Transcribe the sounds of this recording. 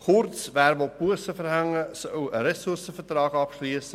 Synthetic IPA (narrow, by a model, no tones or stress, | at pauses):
χʊrt͡sʋæːɾmolpuəsəfəɾhaŋəsœwəɾɛsʊrsəfərtrɑːɡɑpʃliəsə